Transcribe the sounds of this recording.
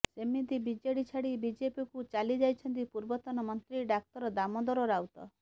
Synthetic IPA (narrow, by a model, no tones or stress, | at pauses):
semit̪ibid͡ʒeɽit͡ʃʰaɽibid͡ʒepikut͡ʃalid͡ʒajt͡ʃʰɔnt̪ipuɾbɔt̪ɔnɔmɔnt̪ɾiɖak̚t̪ɔɾɔd̪amɔd̪ɔɾɔɾawt̪ɔ̰